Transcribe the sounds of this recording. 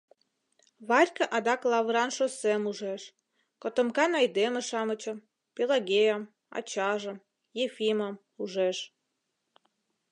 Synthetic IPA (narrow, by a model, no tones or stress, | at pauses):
βɑrʲkəʔɑd̪ɑklˠɑβɾɑnʃosemuʒeʃ | kot̪ə̆mkɑnɑjd̪eməʃɑmət͡ɕəm | pelɑɣejəm | ɑ̰t͡ɕɑʒə̆m | jefiməm | uʒeʃ